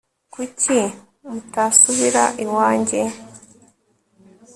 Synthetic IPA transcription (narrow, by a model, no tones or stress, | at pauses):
kucʰi | mutasuβiɾa̰ʔiwaːɲɟe